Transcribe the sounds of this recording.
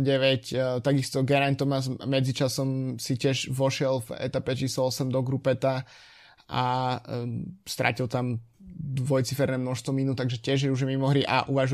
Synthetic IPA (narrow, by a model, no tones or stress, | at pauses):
ɟɛʋɛct̪aɡist̪ɔɡɛɾant̪ɔmasmɛd͡zit͡ʃasɔmsicɪɛʒʋɔʃɪɛlvɛ̰t̪apɛt͡ʃiːslɔɔsɛmd̪ɔɡɾupɛt̪a | a̰ | st̪ɾʔa̰cilt̪am | d̪ʋɔjt͡sifɛɾnɛːmnɔʃst̪ʋɔminut̪aɡʒɛtɪɛʒjɛuʒmimɔɦɾiʔa̰ʔuʋaʒu